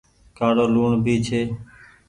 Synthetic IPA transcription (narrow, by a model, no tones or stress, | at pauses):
kaːɽoːluːɳbʱiːt͡ʃʰeː